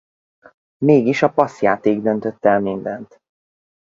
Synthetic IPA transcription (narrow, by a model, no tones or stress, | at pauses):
meːɡiʃɒpɒsjaːt̪eːɡd̪ønt̪øt̪ːɛlmind̪ɛnt̪